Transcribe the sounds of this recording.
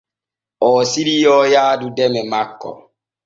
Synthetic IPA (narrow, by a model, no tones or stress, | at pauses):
ɔːsiɾijɔːjaːdudɛmɛmakːɔ̰